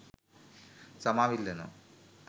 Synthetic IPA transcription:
sɐmaːʋilːeno̰

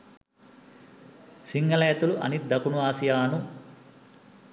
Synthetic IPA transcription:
siŋɡɐleːt̪uluʔɐ̰nit̪̚d̪ɐkunuʋaːsijaːnu

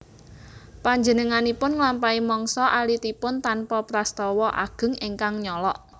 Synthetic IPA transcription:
paɲd͡ʒənəŋanipʊnŋlampaimɔŋsɔʔalit̪ipʊnt̪anpɔpɾast̪ɔwɔʔa̰ɡ̥ə̤ŋeŋkaŋɲɔlɔʔ

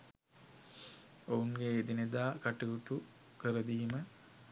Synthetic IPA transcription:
ouŋɡeːd̪ined̪aːkaʈiɡut̪u | kəɾəd̪iːmə

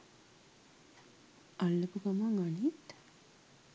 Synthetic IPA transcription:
alːəpukamaŋanit̪

